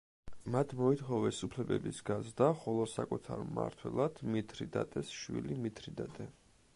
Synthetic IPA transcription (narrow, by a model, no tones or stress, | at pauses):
mat̪ʰmɔit̪ʰχɔvɛsupʰlɛbɛbisɡazɾd̪aχɔlˠɔsakʼut̪ʰaɾma̰ɾt̪ʰwɛlˠad̪̥mit̪ʰɾid̪a̰t̪ʼɛsʃwḭlimit̪ʰɾid̪at̪ʼɛ